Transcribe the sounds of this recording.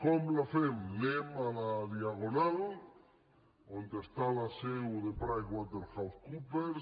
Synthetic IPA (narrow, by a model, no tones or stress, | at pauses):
komlafemlemalaðjaɣonal | ond̪est̪alasewðepɾajɣwad̪elxawθkupeɾ